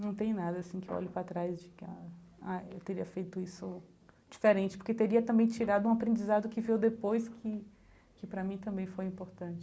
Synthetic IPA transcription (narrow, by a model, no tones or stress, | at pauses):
nɐ̃w̃t̪ẽj̃nad̪ɐasĩkɪeɔ̰lɪpɾat̪ɾajzd͡ʒɪkɪaajewt̪eɾiɐfejt̪ʊisʊ | d͡ʒifeɾẽnt͡ʃɪ̥poɾket̪eɾiɐt̪ɐ̃mbẽj̃t͡ʃiɾad̪ʊũapɾẽd͡ʒizad̪ʊkɪvewd̪epojskʰɪ | kɪpɾɐmĩt̪ɐ̃mbẽj̃fojĩmpoɾt̪ɐ̃t͡ʃɪ̥